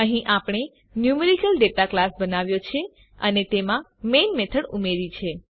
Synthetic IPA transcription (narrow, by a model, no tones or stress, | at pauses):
əɦĩʔapɽ̃e | njumeɾikəlɖeʈaklasbənaʋjot͡ʃʰe | ə̰net̪emãmenmet̪ʰəɽumeɾit͡ʃʰe